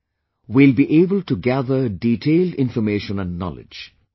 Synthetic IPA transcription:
wilbiʔeːbəlʈuɡæðəɖiːʈʰeːlɖɪ̃nfɔmeːʃə̃næ̃nːɔ̰lɪ̰d͡ʒ

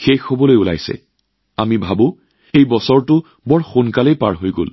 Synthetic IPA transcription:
xexobɔlojula̰jsɛ̰ | amibʱabʊ̃ | ejbɔsɔɹtʊ | bɔɹxʊnkalejpa̰ɹɦojɡo̰l

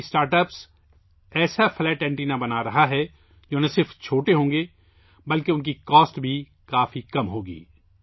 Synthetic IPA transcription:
sʈaːɾʈəːps | ɛːsafʰlɛːʈɛ̃ːɳʈiːnabɐnaɾɐɦaɦɛ | d͡ʒoːnɐsɪɾft͡ʃʰoːʈeɦõːŋɡe | bɐlkeʊnk̬ikɔːsʈbʱi | kaːfikɐmɦoːɡḭː

